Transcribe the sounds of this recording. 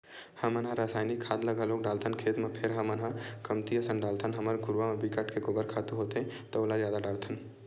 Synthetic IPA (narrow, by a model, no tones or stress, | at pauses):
həmənɦãɾaːsaːjnikʰːat̪ləɡəloːk̚ɖaːlt̪ʰənkʰeːt̪mepʰeɾɦəmənɦãkəmt̪iəsənɖaːlt̪ʰənɦəməɾɡʱʊɾʋamebikəʈkekobəɾkʰat̪uɦot̪ɦɛ̃t̪ɔoːlad͡ʒjaːd̪aɖaɽt̪ʰən